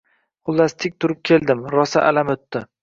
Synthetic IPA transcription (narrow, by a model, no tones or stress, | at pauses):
qʊlˠːast̪ʰɪk̚ʲt̪ʰʊɾɪp̚kʲʰe̞ld̪ɪmɾɒsa̰ʔalamɵt̪ːɪ